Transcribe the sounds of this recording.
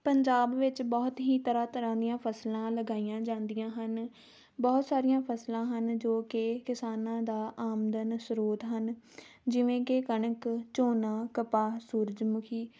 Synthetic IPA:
pəɲd͡ʒaːbʋɪt͡ʃbɔːt̪ɦiːt̪əɾãːt̪əɾãːd̪ijãːpʰəslãːləɡaːijãːd͡ʒãːnd̪ijãːɦən | bɔːt̪saːɾijãːpʰəslãːɦənd͡ʒoːkekɪsaːnãːd̪aːʔaːmd̪ənsʊɾoːt̪ɦən | d͡ʒɪʋẽːkekəɳəkt͡ʃoːnãːkəpaːsuːɾd͡ʒmʊkʰiː

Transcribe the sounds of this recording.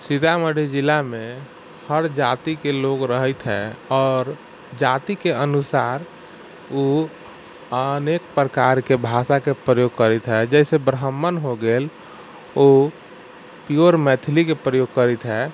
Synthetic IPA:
sit̪aməɽed͡ʒilamẽ | həɾd͡ʒat̪ikeloɡɾəɦət̪ɦɛ̰ɔːɾ | d͡ʒat̪ikeənusaɾ | u | ənek̚pɾəkaɾkebʱaʃakepɾəjoɡ̚kəɾət̪ɦɛd͡ʒɛɪsebɾɦəmːənɦoɡel | o | pioɾmɛt̪ʰlikepɾəjoɡ̚kəɾit̪ɦɛ

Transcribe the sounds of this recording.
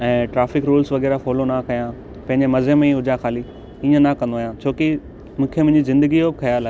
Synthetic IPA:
ɛ̃ːʈɾaːfɪkɾuːlsʋɐɣɛːɾafɔːlonakɐjã | pɐ̃ɦɪ̃ɲd͡ʑemɐzəmẽiɦʊd͡ʑaxaːli | ĩːə̃nakɐ̃nd̪oaːjãt͡ɕʰoːki | mʊ̃ːkʰijəmʊ̃ɦɪ̃ɲd͡ʑizɪ̃nd̪əɡijobɪkʰɐjaːlaːɦe

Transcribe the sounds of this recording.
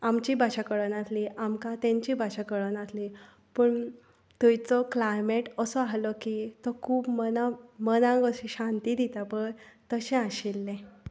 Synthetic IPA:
amt͡ɕiːbʱaɕakəɭənat̪liʔamkat̪ẽɲt͡ɕiːbʱaɕakəɭənat̪li | pəːɳ | t̪ujt͡sɔklajmeʈəsɔaɦlɔkit̪ɔkʰuːpmənamənãɡəɕĩɕãnt̪iːd̪it̪apəɳt̪əɕɛ̃aɕilːẽ

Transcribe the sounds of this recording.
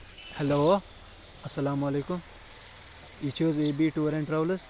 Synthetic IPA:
heloː | ɐsːɐlaːmɐleːkum | it͡ʃʰoːzeːbiʈuɾẽɳʈɾɐʋlɐs

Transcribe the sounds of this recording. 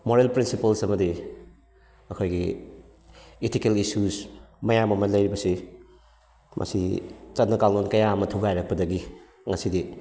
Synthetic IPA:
moɾelpɾinsipɐlsɐmɐdi | ɐkʰojɡi | etʰikelisusmɐjamɐmɐlɐjɾibɐsi | mʔɐ̰sit͡ʃɐtnɐkalnonkɐjamɐtʰuɡajɾɐk̚pɐdɐɡi | ŋɐsidi

